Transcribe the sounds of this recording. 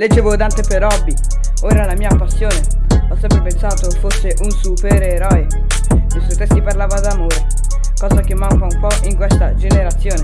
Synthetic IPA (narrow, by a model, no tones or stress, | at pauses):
led͡ʒevod̪ant̪epeɾɔbːi | oːɾalamiːapasːjoːne | ɔsːɛmpɾepensaːt̪ofosːeʔunsupeɾeɾɔj | kesut̪ːesiparlaːvad̪amoːɾe | kɔːzakemːauŋkaumpɔʔiŋkwest̪ad͡ʒeneɾat̪sːjoːne